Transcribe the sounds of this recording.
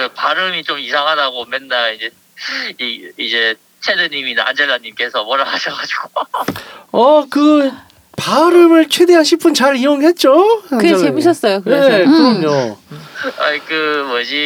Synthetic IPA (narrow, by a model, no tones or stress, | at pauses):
ɯpaɾɯmit͡ɕomisʰaŋɦadaɡomenːaid͡ʑe | iid͡ʑe̞ | t͡ɕʰedɯɲimina̰nd͡ʑeɭːaɲːimk͈esʰʌmʌɾaaɕʰʌɡad͡ʑiɡ̥o | ʌkɯ | paɾɯmɯɭt͡ɕʰwe̞de̞ɦanɕʰipʰɯnt͡ɕaɾioŋɦe̞t̚t͡ɕ͈oaɯɡeeemuɕʰʌs͈ʌjokɯekɯɾʌmɲo | aikɯmʌd͡ʑi